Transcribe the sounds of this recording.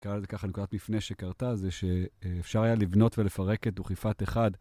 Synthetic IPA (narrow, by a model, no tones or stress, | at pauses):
kaazekaχanekud̪at̪mifneʃekaʁtazeʃeːfʃaʁajalivno̞tvelefaʁe̞ketuχifat̪eχad